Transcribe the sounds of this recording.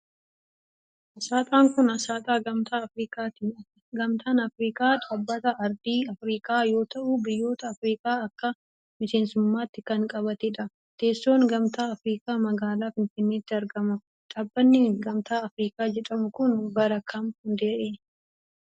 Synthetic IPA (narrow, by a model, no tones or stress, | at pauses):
ɐsaːt̪ʼaːŋkʊnɐsaːt̪ʼaːɡɐmt̪aːɐfɾiːkʼaːt̪i | ɡɐmt̪ʰaːnɐfɾiːkʼaːᶑʼabːɐt̪ɐʔɐɾd̪iːɐfɾiːkʼaːjo̞ːt̪ɐʔʊbɪjːo̞ːt̪ɐːfɾiːkʼaːɐkːɐ | mɪse̞ːnsʊmːaːt̪ːɪkɐŋkʼɐβɐt̪ɛᶑɐ | t̪e̞ːsːo̞ːŋɡɐmt̪aːɐfɾiːkʼaːmɐɡaːlaːfɪnfɪnːeːt̪ːɪɐɾɡɐmʊ | ᶑaːbːɐnːɪɡɐmt̪aːɐfɾiːkʼaːd͡ʒɛᶑɐmʊkʊnbɐɾɐkʰɐmhʊnd̪e̞ːʔeː